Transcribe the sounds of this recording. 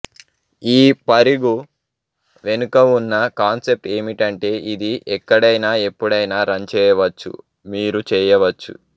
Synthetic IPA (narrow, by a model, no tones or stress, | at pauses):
iːpɐɾiɡu | ʋe̞nukɐunːɐkaːnse̞p̚ʈe̞ːmiʈɐɳʈe̞ːʔid̪iʔɛkːɐɽɐjnaːe̞pːuɽɐjnaːɾɐnt͡ʃɛːjɐʋɐt͡ʃːṵ | miːɾut͡ʃɛːjɐʋɐt͡ʃːṵ